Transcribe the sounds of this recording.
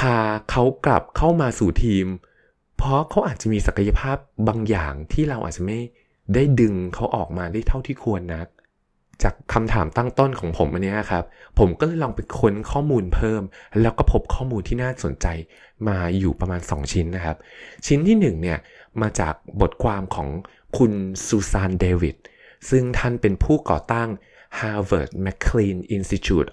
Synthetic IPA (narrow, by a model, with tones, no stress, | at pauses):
kʰaː˧˩kʰa˦˥wkla̰˨˩p̚kʰa˥˩wmaː˧suː˨˩t̪ʰiː˧m | pʰɔ˦˥kʰa˦˥wʔaː˨˩t̪̚t͡ɕa˨˩miː˧sa˨˩kʰa˧ja˧pʰaː˥˩p̚baː˧ŋja̰ː˨˩ŋt̪ʰiː˥˩ɾa˧wʔa̰ː˨˩t̚t͡ɕa˨˩ma˥˩j | daː˥˩jdɯ˧ŋkʰa˦˥wʔɔː˨˩k̚maː˧daː˥˩jt̪ʰa˥˩wt̪ʰiː˥˩kʰu˧ənːa˦˥k̚ | t͡ɕaː˨˩kʰːa˧mt̪ʰa̰ː˩˦mt̪a˥˩ŋt̪o˥˩nkʰɔː˨˩˦ŋpʰo˩˦mʔa˧nːi˦˥ɐna˨kʰa˦˥p̚ʰːo˩˦mkɔː˥˩lɤː˧jlɔː˧ŋpe˧nkʰo˧nkʰɔː˥˩muː˧npʰɤː˥˩mlɛː˦˥wkɔː˥˩pʰo˦˥p̚kʰɔː˥˩muː˧nt̪ʰiː˥˩naː˥˩so˩˦nt͡ɕa˧j | maː˧juː˨˩pɾa˧maː˧nsɔ̰˩˦ŋt͡ɕʰi˦˥nːa˦˥kʰa˦˥p̚t͡ɕʰi˦˥nt̪ʰiː˥˩nɯ˨˩ŋni˥˩ɐ | maː˧t͡ɕa̰ː˨˩k̚bo˨˩t̪̚kʰwaː˧mkʰɔː˩˦ŋ | kʰu˧nsuː˧saː˧ndeː˧wi˨˩t̪̚ | sɯ˥˩ŋt̪ʰa˥˩npe˧npʰuː˥˩kɔ̰ː˨˩t̪a˥˩ŋ | haː˧wɤ̰ː˨˩t̪̚mɛ˦˥kʰːliː˧nʔi˧nsi˦˥t̪ʰjṵː˨˩t̪̚